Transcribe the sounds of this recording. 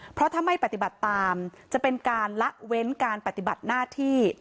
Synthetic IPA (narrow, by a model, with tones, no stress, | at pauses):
pʰɾɔ˦˥t̪ʰa˧mːa˥˩jpa˨˩t̪i˨˩ba˨˩t̪ːaː˧mt͡ɕa˨˩pe˧nkaː˧nla˦˥ʔ̚we˦˥nkaː˧npa˨˩t̪i˨˩ba˨˩t̪̚naː˥˩t̪ʰiː˥˩